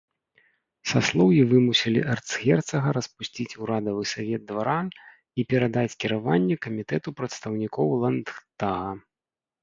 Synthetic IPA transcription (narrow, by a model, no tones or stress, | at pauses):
saslˠɔwjivɨmusʲilʲḭʔɛrt̪sɣʲɛrt̪sɐɣɐɾɐspusʲt͡sʲit͡sʲuɾad̪ɐvɨsavʲɛd̪̚d̪vaɾa | ipʲɛɾad̪at͡sʲkʲiɾavanʲːɛkɐmʲit̪ɛt̪upɾɐt̪st̪ɐwnʲikɔwlˠɐnt̪aɣɐ